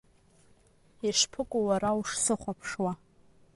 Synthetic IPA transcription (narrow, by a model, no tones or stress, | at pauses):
iʂpʰɨkʷʼʊwaɾawʂsɨχʷapʰʂwa